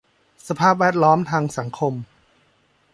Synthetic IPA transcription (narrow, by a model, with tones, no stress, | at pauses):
sa˧pʰaː˥˩p̚wɛː˥˩t̪̚lɔː˦˥mt̪ʰaː˧ŋsa˩˦ŋkʰo˧m